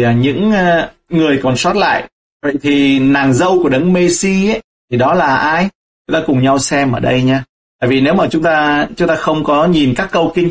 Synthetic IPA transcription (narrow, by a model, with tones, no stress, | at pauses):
ɲɨ̰˧˥ŋː˧ | ŋɨ˨˩əjkɔ˨˩nswa˦˥t̚la̰ː˧˨j | və̰˧˨jt̪ʰi˨˩naː˨˩ŋzə˧wku˧˩əɗə˨˦ŋme˧si˧ə˦j | t̪ʰi˨˩ɗɔ˨˦laː˨˩ʔaː˧j | t͡ɕʊ˨˦ŋ͡mt̪aː˧kʊ˨˩ŋ͡mɲa˧wsɛ˧mʔəː˧˩ɗə˧jɲaː˧ | t̪a̰ː˧˨jvi˨˩ne˨˦wmaː˨˩t͡ɕʊ˨˦ŋ͡mt̪aː˧t͡ɕʊ˨˦ŋ͡mt̪aː˧xə˧wŋ͡mkɔ˨˦ɲi˨˩nkaː˦˥kːə˧wkï˧ŋ̟